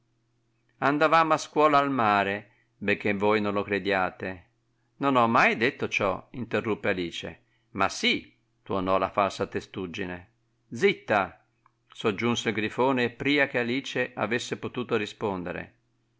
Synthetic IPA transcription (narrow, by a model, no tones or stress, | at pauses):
and̪avaːmoaskwɔːlaːlmaːɾe | bek̟ːevojnõnlokɾed̪jaːt̪e | nonɔmːajd̪et̪ːot͡ʃɔ̰int̪erːupːealiːt͡ʃḛ | ma̰si | t̪uonɔla̰falsat̪est̪ud͡ʒːine | d̪zit̪ːa | sod͡ʒːunseilɡɾifoːneːpːɾiːak̟ealiːt͡ʃeʔa̰vesːepot̪uːt̪oɾispond̪ḛɾḛ